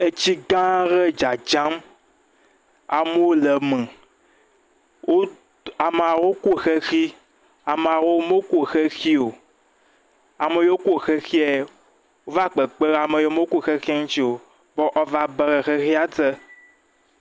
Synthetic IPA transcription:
e˦t͡ɕi˦ɡã˦ɣe˦d͡ʒa˨d͡ʒã˦m | a˨me˦wo˦le˨mɛ̃˨ | wʔo˦ | a˨me˨a˨wo˦ku˦˨xe˦xi˦ | a˨me˨a˨wo˦mo˦ku˦˨xe˦xi˦o˨ | a˨me˨jo˦o˦ku˦˨xe˦xi˦e˨ | wo˦va˦k͡pe˨k͡pe˦ɣa˨me˨jo˦me˦o˦ku˦˨xe˦xi˦a˦ŋũ˦t͡ɕi˦o˨ | bɔ˦ʔɔ˦va˦be˨ɣe˨xe˦xi˦a˦t̪e˦

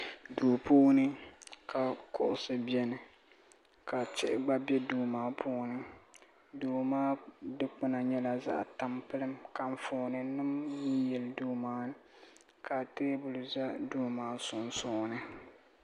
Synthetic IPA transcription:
duː˨pʰuː˦nɨ˦ka˨kʊ˨ʔʊ˨sɨ˦bi˦ɛ˦nɨ˨ | ka˨t͡ʃɪ˦ʔɪ˦ɡ͡ba˦bɛ˦duː˨maː˦pʰʊː˦nɨ˨ | duː˨maː˦dɨ˦k͡pɨ˦na˨ɲɛ˦la˨za̰˦ʔta˨mpɨ˦lɨ˦mka˨ɱ˦foː˨nɨ˨nɨ˦mji˦jɛ˨lduː˦maː˦ | ka˨teː˦bʊ˨lɨ˨za˦duː˦maː˦sʊ˨n˦sʊː˦nɨ˦

